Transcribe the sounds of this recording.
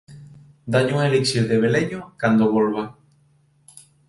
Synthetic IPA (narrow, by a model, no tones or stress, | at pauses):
d̪aɲuŋeleksjoðeβ̞eleɲokand̪oβolβa